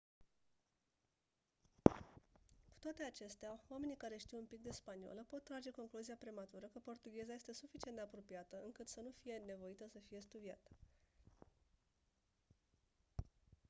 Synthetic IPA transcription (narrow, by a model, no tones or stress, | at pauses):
ku̥t̪oat̪e̞at͡ʃe̞st̪eaoame̞nikaɾe̞ʃt̪iwunpik̚d̪e̞spanio̰ləpo̞t̪̚t̪ːɾad͡ʒe̞ko̞ŋkluziapɾemat̪uɾəkəpo̞rt̪uɡʲe̞zajest̪e̞sufit͡ʃiend̪eapɾo̞pijat̪əɨŋkɨt̪sənufije̞ne̞vo̞it̪əsəfije̞st̪ud̪ia̰t̪